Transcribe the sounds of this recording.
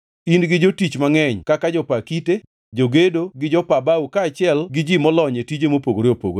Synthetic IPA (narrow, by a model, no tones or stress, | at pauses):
inɡɪd͡ʒotit͡ʃmaŋɛɲkakad͡ʒɔpakite | d͡ʒoɡedoɡɪd͡ʒɔpabaukaːt͡ʃɪɛlɡɪd͡ʒimɔlɔɲetid͡ʒemopoɡoɾeopo̰ɡo